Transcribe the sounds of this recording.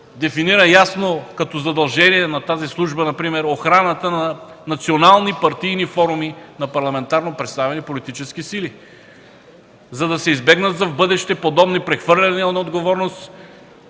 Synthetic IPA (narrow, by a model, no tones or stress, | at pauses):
d̪ɛfiniɾəjasnokɐt̪ɔzɐd̪ɐlˠʒɛniɛnɐt̪azislˠuʒbənɐpɾimɛɾoxɾanət̪ənɐnɐt̪sionalˠnipɐɾt̪ijnifɔɾuminɐpɐɾlˠɐmɛnt̪aɾnopɾɛt̪st̪avɛnipolit̪it͡ʃɛsk̟isili | zɐd̪ɐsɛizbɛɡnɐt̪zɐvbɤd̪ɛʃt̪ɛpod̪ɔbnipɾɛxvɤɾlʲɐninɐod̪ɡovɔɾnost̪